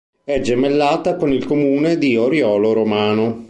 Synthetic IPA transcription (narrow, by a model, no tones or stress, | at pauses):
ɛd͡ʒemelːaːt̪akonilkomuːned̪ioɾjɔːloɾomaːno